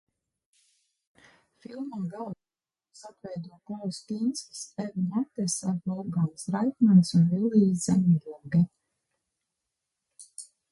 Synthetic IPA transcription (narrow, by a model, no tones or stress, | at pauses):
filˠmaɡalˠ | sat̪vɛjd̪uɔkɔlˠsk̪insksɛvnat̪ɛsafɔlˠɡansɾajk̪mansunvilˠiːzzɛmʲjuɡɛ